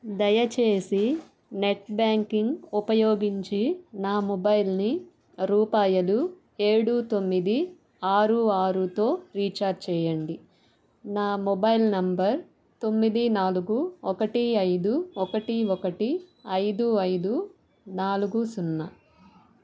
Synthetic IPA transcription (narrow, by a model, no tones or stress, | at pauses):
d̪ɐjɐt͡ʃe̞ːsi | ne̞ʈbjaːŋkiŋɡupɐjoːɡiɲt͡ʃinaːmɔbɐjlni | ɾuːpaːjɐlu | e̞ːɽut̪o̞mːid̪i | aːɾuaːɾut̪o̞ːɾiːt͡ʃaːɾɖ̚t͡ʃɛːjɐɳɖi | naːmɔbɐjlnɐmbɐɾ | t̪o̞mːid̪inaːluɡuɔkɐʈiɐjd̪uɔkɐʈiɔkɐʈiɐjd̪uɐjd̪u | naːluɡusunːɐ